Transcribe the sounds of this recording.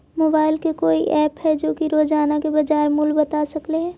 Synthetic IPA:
moːbaːɪlkekoːiʔɛːpɦɛd͡ʒoːkiɾoːd͡ʒaːnakebɐd͡ʒaːɾmʊlbɐt̪aːsɐkleɦɛ̃ː

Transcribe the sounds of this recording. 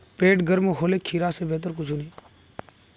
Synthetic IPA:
peːʈɡəɾmoɦoːleːkʰːiːɾaːseːbeːt̪əɾkʊd͡ʒʱuːniː

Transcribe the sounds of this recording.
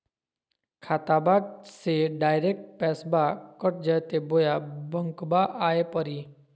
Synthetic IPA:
kʰaːt̪abaːd̚seɖaːjɾeːk̚ʈ̚pɛːsbakəʈ̚ʰd͡ʒəjt̪eboːjabəŋkbaʔaːepəɾiː

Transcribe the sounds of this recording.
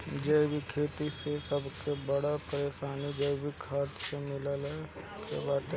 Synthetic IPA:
d͡ʒəːbʱikʰeːt̪isesɐbkebɐɽapəɾeːʃaːnid͡ʒəːbʱikʰaːt̪semɪləl | kḛbaːt̪

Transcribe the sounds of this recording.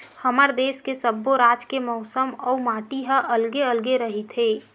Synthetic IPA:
həməɾd̪eːskesəbːoɾaːd͡ʒkemɔʊsəmɔːumaːʈiɦəʔəlɡeəlɡeɾəɦit̪ɦeː

